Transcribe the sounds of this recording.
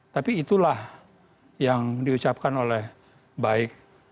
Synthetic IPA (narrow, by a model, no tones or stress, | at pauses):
t̪apiːt̪ulah | jaŋdiut͡ʃap̚kanolɛh | baɪk̚